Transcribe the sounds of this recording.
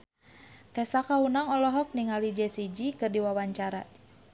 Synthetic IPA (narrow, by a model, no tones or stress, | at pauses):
t̪ɛsakaɦunaŋɔlɔɦɔk̚niŋalid͡ʒɛsid͡ʒikɨrdiwawaɲt͡ʃaɾa̰